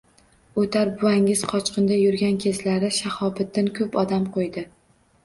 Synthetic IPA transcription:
ot̪ʰaɾbʊaŋɪz̥qʰɒt͡ʃqɨnd̪ajʊɾɡʲankʲʰe̞zlaɾɪʃahɒbɪt̪̚ːankʰɵpɒd̪amqʰojd̪ɪ

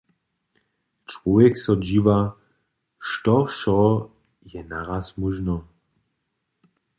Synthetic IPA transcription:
t͡ʃvɔvɛksɔd͡ʑiva | ʃtɔʃɔ | jɛnaʁasmuʒnɔ

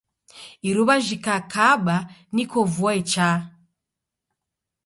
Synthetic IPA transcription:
iɾuβaʒikakʰaɓanikɔvuwaɛt͡ʃa

